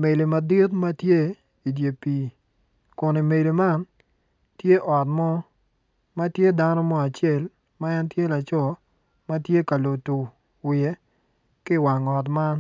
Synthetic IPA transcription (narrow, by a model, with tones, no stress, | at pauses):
me˨li˨ma˨dɪ˦tma˦tje˦ | i˨dje˨piː˨ | kʊ˨ni˨me˨li˨ma˦n | tje˦ʔɔ˨tmɔ˦ | ma˦tje˦da˦nɔ˦mɔ˦a˨t͡ʃe˦˨l | ma˦ɛ˦ntje˦la˨t͡ʃɔ˦ | ma˦tje˦ka˨lo˨tu˨ | wɪe˦ | kɪ˦wa˨ŋɔ˨t̬ma˦n